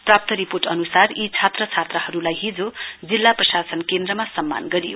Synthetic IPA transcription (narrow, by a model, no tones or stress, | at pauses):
prap̚t̪ʌɾiporʈʌnusarit͡sʰat̪rʌt͡sʰat̪rʌɦʌɾulajɦid͡zod͡zilːaprʌsasʌnkend̪rʌmasʌmːa̰nɡʌɾijo̰